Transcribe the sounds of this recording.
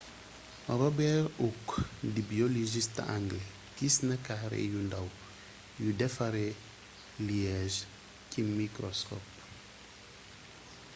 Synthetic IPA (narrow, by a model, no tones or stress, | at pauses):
ɾɔbɛɾukdibioliʒist̪aŋɡlɛ | kisnɐkahɾḛjundaw | judɛfaɾe | liɛʒ | cimikɾɔskɔp